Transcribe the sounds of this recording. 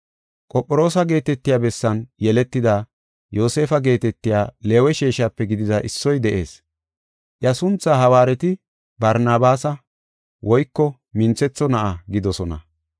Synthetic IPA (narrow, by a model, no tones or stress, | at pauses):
kʼɔpʼːɔɾo̞ːsɐɡe̞ːt̪ɛt̪ːɪjaːbɛsːɐnjɛlɛt̪ːɪd̪a | jo̞ːse̞ːfɐɡe̞ːt̪ɛt̪ːɪjaːle̞ːwɛʃeːʃaːpːɛɡɪd̪ɪd̪ɐʔɪsːɔjd̪ɛʔe̞ːs | ʔjɐsʊnt͡sːaːɦɐwaːɾɛt̪ɪ | bɐɾnaːbaːsɐ | wʔɔjkːɔ | mɪnt͡sɛt͡sːɔnɐʔaɡɪd̪ɔsɔnɐ̰